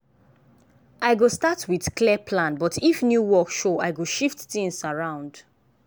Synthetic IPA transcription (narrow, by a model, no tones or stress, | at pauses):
ʔaɪɡostatʰwið̥kliɛpʰlãnbɔtifnjuwɔkʃoaɪɡoʃiftθĩŋsaɹãʊ̃nd̥